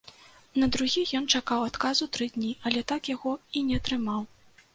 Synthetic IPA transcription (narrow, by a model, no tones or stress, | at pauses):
nɐd̪ɾuɣʲijɔnt͡ʂakawat̪kazut̪ɾɨd̪ʲnʲiʔɐlʲɛt̪akjaɣɔinʲɛɐt̪ɾɨmaw